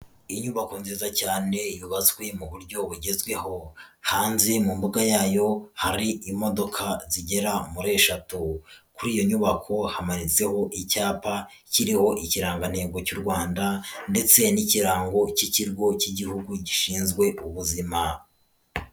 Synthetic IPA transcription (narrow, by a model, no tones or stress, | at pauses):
iɲuβako̞nziːzacaːne̞juβazwe̞muβuɾɟo̞βuɟe̞zɡwe̞ho̞haːnzimumbuɡajaːjo̞haɾiimo̞do̞kʰaziɟe̞ɾamuɾe̞ːʃatukuɾiːjo̞ɲuβakʰo̞hamaɾit͡se̞ho̞ʔicaːpa | ciɾiho̞ʔiciɾaːŋɡan̥he̞ːɡo̞cuɾɡwaːndande̞t͡se̞niciɾaːŋɡo̞ciciɾɡo̞ciɟihuɡuɟiʃiːnzɡwe̞ʔuβuzima